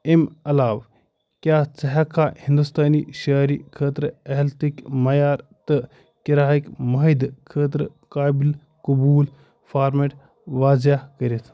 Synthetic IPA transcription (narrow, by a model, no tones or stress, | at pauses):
emɐlaːʋ | kʲjaːt͡sɐɦakʰahind̪ust̪aːniːʃɐːɾikʰəːt̪ɾɐɦlt̪ikmɐjaːɾt̪ɨ | kiɾaːikmɐɦid̪kʰəːt̪̬ɾə | kaːbil | kubuːl | faːɾmeʈ | ʋaːzakəɾʲet̪ʰ